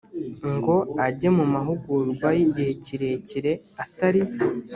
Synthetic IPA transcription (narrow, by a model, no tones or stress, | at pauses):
ŋɡo̞aɟe̞mumaɦuɡuɾɡwajiɟihe̞ciɾe̞ciɾe̞ | ataɾi